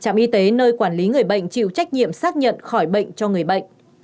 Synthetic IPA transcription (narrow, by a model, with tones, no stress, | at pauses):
t͡ɕa̰ː˧˨mʔi˧t̪e˨˦nəː˧jkwaː˧˩nli˨˦ŋɨ˨˩əjɓə̰˧˨jŋ̟t͡ɕḭ˧˨wt͡ɕa˦˥jk̚ɲḭ˧˨əmsaː˦˥k̚ɲə̰˧˨nxɔ˧˩jɓə̰˧˨jŋ̟t͡ɕɔ˧ŋɨ˨˩əjɓə̰˧˨jŋ̟